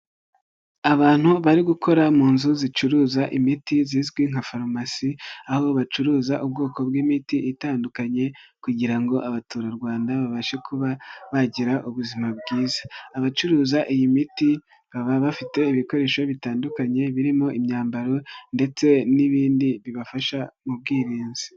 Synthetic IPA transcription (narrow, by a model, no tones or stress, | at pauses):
aβaːn̥huβaɾiɡukʰo̞ɾamuːnzuzit͡ʃuɾuːzaʔimitiziːzɡwiŋ̥hafaɾomasiahoβoβat͡ʃuɾuːzaʔub̚ɡo̞ːko̞bɡiːmitiʔːtaːndukaɲe̞kuɟiɾaŋɡo̞ʔaβatuːɾaɾɡwaːndaβaβaʃe̞kʰuβaβaɟiɾaʔuβuzimabɡiːzḁːβat͡ʃuɾuːzaʔijimiti | βaβaβafite̞iβiko̞ɾe̞ːʃoβitaːndukaɲe̞βiɾimo̞ʔimɲaːmbaɾo̞nde̞t͡se̞niβiːndiβiβafaʃamub̚ɡiːɾiːnzi